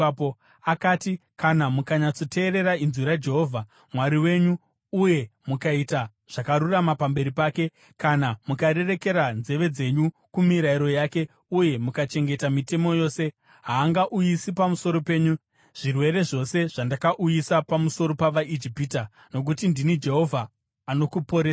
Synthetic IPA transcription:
po | akaːtikanamukaɲat͡sote̞ːɾe̞ɾainzwiɾad͡ʒe̞ɦo̞vʱa | mwaɾiwe̞ɲuː | je̞mukaita | ʐ̥akaɾuramapambe̞ɾipaːke̞ | kanamukaɾe̞re̞ke̞ɾanze̞ʋe̞d͡ze̞ɲu | kumiɾaiɾo̞jaːke̞ | uje̞mukat͡ʃe̞ŋɡe̞tamite̞mo̞jo̞ːse̞ | ɦaːŋɡaʔujisipamuso̞ɾo̞pe̞ːɲu | ʐ̥irwe̞ɾe̞ʐo̞se̞ʐ̥andakaʔujisapamuso̞ɾo̞paʋaʔid͡ʒipita | no̞k̬utindinid͡ʒe̞ɦo̞vʱaː | no̞kupo̞ɾeːsa

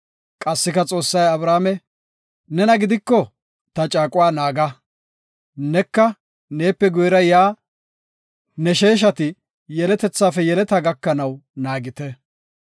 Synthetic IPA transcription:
kʼɐsːɪkɐt͡sʼo̞ːsːɐjɐbɾaːmɛ | nɛnɐɡɪd̪ɪkːɔ | t̪ɐt͡ʃʼaːkʼʊwaːnaːɡɐ | nɛkːɐ | ne̞ːpːɛɡʊjɾɐjaː | nɛʃe̞ːʃ̬ɐt̪ɪ | jɛlɛt̪ɛt͡sːaːfɛjɛlɛt̪ɐɡɐkːɐnɐwnaːɡɪt̪ɛ

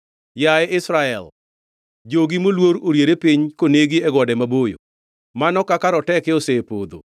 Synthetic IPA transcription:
jaɛɪsɾaɛ̰l | d͡ʒoɡimolwoɾoɾjeɾepiɲkoneɡiɛɡɔdɛmabojo̰ | manɔkakaɾɔtɛkɪosepo̰d̪o̰

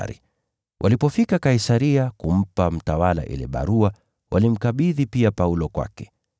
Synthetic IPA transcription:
ɾḭ | wʔa̰lipɔfikakaisaɾiakum̩pam̩tawala̰ʔḭlɛ̰ɓa̰ɾua | wʔalim̩kaɓiðipiapaulɔkwa̰kɛ̥

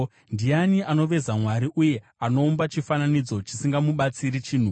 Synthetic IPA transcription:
ndianiʔano̞ʋe̞zamwaɾiʔuje̞ | ano̞ːmbat͡ʃifananid͡zo̞t͡ʃisiŋɡamuɓat͡siɾit͡ʃiːn̤u

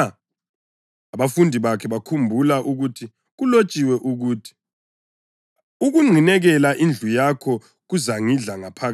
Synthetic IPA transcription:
aβafundʱiβakʰɛβakʰumbʱulaʔuɣutʰi | ɣulot͡ʃʼiwɛʔuɣuːtʰi̥ | uɣuŋ͡ǃʱinɛɣɛlaʔind͡ɮʱujakʰɔ | ɣuzaŋiɮaŋapʰaɣa

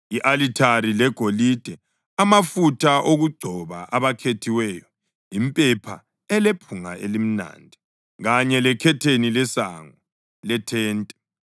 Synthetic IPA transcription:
iʔalitʰaɾilɛɡ̥ʱolid̥ʱɛ | amafutʰʼaʔoɣuɡ͡ǀʱɔβa̰ʔaβakʰetʰiwɛjɔ | impʼɛpʰa̰ | ɛlepʰuŋa̰ʔḛlim̩na̰ːndʱɛ | ɣaɲɛlɛkʰɛtʰenilɛsa̰ŋɔ | lɛtʰɛːntʼɛ

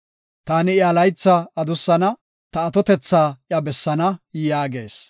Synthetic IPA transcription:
t̪aːnɪjɐlɐjt͡sːɐɐd̪ʊsːɐnɐ | t̪ɐːt̪ɔt̪ɛt͡sːaːʔjɐbɛsːɐnɐjaːɡe̞̰ːs

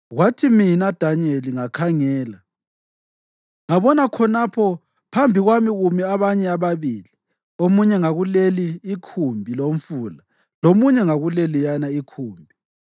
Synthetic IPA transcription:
ɣwatʰiminad̥ʱaneliŋakʰaŋɛːla | ŋaβɔnakʰɔnapʰɔ | pʰambʱiɣwamiɣumiaβaɲɛaβaβiːli | omuɲɛŋaɣuleliːkʰumbʱilom̩fula | lomuɲɛŋaɣulelijanaikʰuːmbʱi

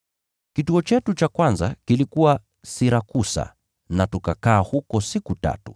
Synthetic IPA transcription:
kituɔt͡ʃɛtut͡ʃakwanza̰kilikuwa | siɾakusa̰ | natukakaːhukɔsikuta̰tu̥

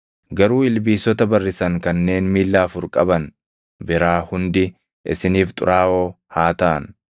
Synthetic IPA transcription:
ɡɐɾuːɪlbiːsɔt̪ɐbɐrːɪsɐŋkɐnːe̞ːnmiːlːaːfʊɾkʼɐbɐn | bɪɾaːhʊnd̪ɪ | ʔɪ̰sɪniːft̪ʼʊ̰ɾaːʔoː | haːt̪ɐʔɐ̰n

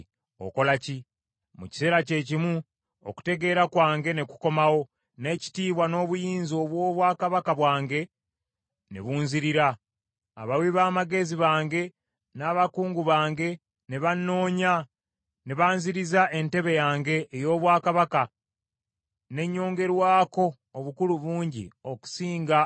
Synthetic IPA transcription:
o̰ko̞laci | muci̥se̞ːɾace̞ːcimu | o̰ku̥te̞ɡe̞ːɾakwaːŋɡe̞ne̞ku̥ko̞mawo̞ | ne̞ːci̥tiːβwano̞ːβujiːnzio̞ːβwo̞ːβwaːkaβakaβwaːŋɡe̞ | nḛβuːnziɾiɾa̰ː | βawiβaːmaɡe̞ziβaːŋɡe̞ | naːβakuːŋɡuβaːŋɡe̞ | neβanːo̞ːɲa | neβaːnziɾizaʔe̞nte̞βe̞jaːŋɡe̞ːjo̞ːβwaːkaβaka | ne̞ɲːo̞ːŋɡe̞ɾwaːko̞ː | βukuluβuːɲɟḭo̞ku̥siːŋɡa

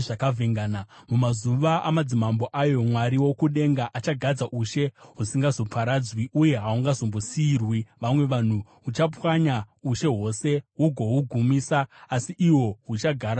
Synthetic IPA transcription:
ʐakavʱeŋɡaːnamumazuʋaʔa̰mad͡zimamboʔajo̞mwaɾiwo̞kuɗe̞ŋɡaʔat͡ʃaɡʱad͡zaʔuʃe̞ɦusiŋɡazo̞pʰaɾad͡zwiuje̞ɦauŋɡazo̞mbosiːrwiʋamwe̞ʋan̤uɦut͡ʃapwaɲauʃe̞ɦo̞se̞ɦuɡʱo̞ɦuɡʱumiːsaːsiʔiwo̞ɦut͡ʃaɡʱaɾa

